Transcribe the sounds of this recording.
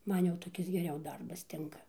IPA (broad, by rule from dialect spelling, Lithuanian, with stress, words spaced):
ˈmɐn jɛʊ toːˈkʲɪs ɡʲɛˈrʲɛʊ ˈdɐrbɐs ˈtʲɪŋkɐ